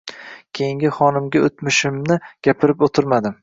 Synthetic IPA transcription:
kʲʰe̞jɪŋɡʲɪχɒnɪmɡʲaot̪mɪʃɪmnɪɡ̥ʲapʰɪɾɪpot̪ʰɪɾmad̪ɪm

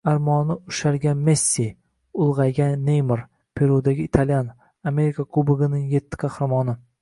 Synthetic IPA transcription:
aɾmɒnɪʊʃaɾɡʲanme̞sʲːi | ʊlˠʁɑjɡʲanːejmɪɾ | pʰe̞ɾud̪aɡʲɪːt̪ʰalʲjan | ame̞ɾikʰakʰlˠʊbɪɡɪnɪŋje̞t̪ʰːɪ̥kʰɑhɾamɒnɪ

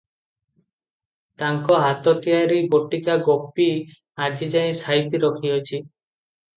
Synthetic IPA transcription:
t̪aŋkɔɦat̪ɔt̪ijaɾiboʈikaɡopi | ad͡ʒid͡ʒaĩsajt̪iɾɔkʰiɔt͡ʃʰi

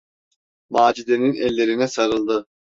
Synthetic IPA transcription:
maːd͡ʒid̪ʲeninɛlʲːe̞ɾinɛsaɾɯlˠd̪ɯ

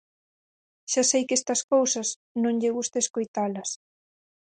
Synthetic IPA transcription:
ʃasejkest̪ɐskowsɐs | nõŋʎɪɣust̪ɐeskojt̪alɐs

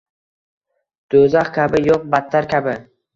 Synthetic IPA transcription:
d̪̥ozaχkʲʰabɪjoq̚bat̪ʰːaɾkʲabɪ

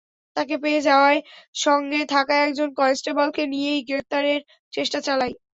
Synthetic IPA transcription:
t̪ak̬epeed͡ʑaoaeʃɔŋɡet̪ʰakaɛk̚d͡ʑonkɔesʈebɔlkenijejɡɾef̚t̪aɾeɾ | t͡ɕeʃʈat͡ɕalaj

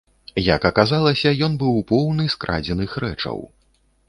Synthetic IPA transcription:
jɐkɐkazalˠɐsʲɐjɔnbɨwpɔwnɨskɾʔa̰d͡zʲɛnɨxɾɛt͡ʂɐ̰w

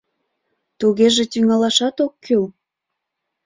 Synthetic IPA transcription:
t̪uɣeʒĕt̪yŋɑlɑʃɑt̪okʰːøl

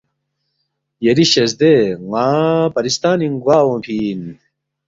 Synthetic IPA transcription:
jɐɾiɕɐsd̪eŋaːpɐɾist̪aːniŋɡwaːwõpʰiːn

